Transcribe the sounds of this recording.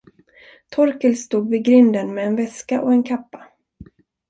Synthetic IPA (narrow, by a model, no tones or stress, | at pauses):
t̪ʰɔɾkəlst̪uːɡvɪɡɾʏnd̪ənmɛːnvɛskaʔɔɛnkʰapːḁ